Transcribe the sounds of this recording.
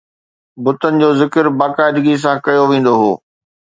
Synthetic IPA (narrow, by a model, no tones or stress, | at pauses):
bʊt̪ənɪ̆d͡ʑoːzɪkəɾbaːkaːɪd̪ɡis̬ãkɐjoʋẽːn̆d̪oɦoː